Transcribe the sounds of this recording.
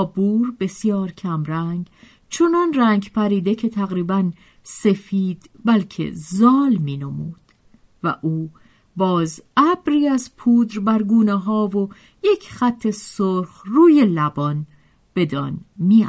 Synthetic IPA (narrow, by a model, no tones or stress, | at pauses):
buːɾbe̞sjɒːɾcʰæmɾæŋɡ | t͡ʃʰonɒnræːŋɡpæɾiːd̪e̞cʰe̞t̪ʰæɣɾiːbæn | se̞fiːd̪̥bælcʰḛzɒːlmiːnomṵːd̪̥ | væ̰ʔuː | bɒːzæbɾiːæzpʰuːd̪ɾbæɾɡuːneɦɒːvo | je̞cʰxæt̪ʰːe̞soɾxruːje̞læbɒn | b̥e̞d̪ɒ̰ːnmiːæ